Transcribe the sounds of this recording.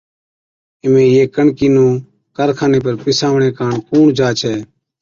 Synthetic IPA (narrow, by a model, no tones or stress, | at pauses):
ɪmẽːjeːkəɳkiːnũː | kəɾkʰaːneːp̬əɾpɪsaːʋɳẽːkaːɳkuːɳd͡ʒaːt͡ʃʰɛː